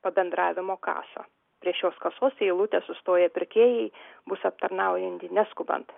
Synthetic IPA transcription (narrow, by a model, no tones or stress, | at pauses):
pɐbʲɛnd̪ɾɑːʋʲɪmoːkɑ̰ːso̰ | pʲɾʲiɛʃʲoːskɐsoːsiɪlˠut̪ʲɛsʊst̪oːjɛpʲɪɾʲkʲeːjɛɪbʊsɐp̚t̪ɐɾnɐʊjɪnʲt̪ʲɪnʲæskʊbɐ̰nt̪